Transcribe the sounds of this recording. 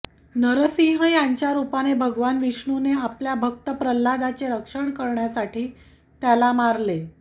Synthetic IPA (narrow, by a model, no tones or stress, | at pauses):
nəɾəsiɦəjaɲt͡ɕjaɾupanebʱəɡʋanʋiʂɳuneapljabʱək̚t̪əpɾəlːad̪at͡ɕeɾəkʂəɳkəɾɳjasaʈiː | t̪jalamaɾle